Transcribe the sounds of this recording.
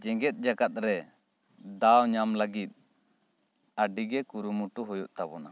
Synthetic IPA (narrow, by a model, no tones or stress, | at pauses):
d͡ʒɛŋɡɛt̪̚ˀd͡ʒaɡat̪̚ɾɛ | d̪awɲamlaɡit̪̚ | aɖiɡɛkuɾumuʈuɦujuʔt̪abɔna